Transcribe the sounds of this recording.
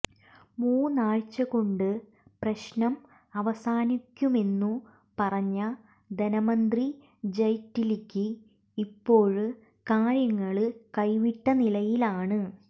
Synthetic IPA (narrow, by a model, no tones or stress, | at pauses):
muːnaːɻt͡ɕːɐɣo̞ɳɖɨ | prɐɕnɐm | ɐʋɐsaːnikʲːume̞nːu | pɐrɐɲːɐ | d̪ɐnɐmɐnd̪ri | d͡ʑɐjtːilikʲːɨ | ipːo̞ːɻ | kaːɻjɐŋːɐɭɨkɐjʋiʈːɐnilɐjilaːɳɨ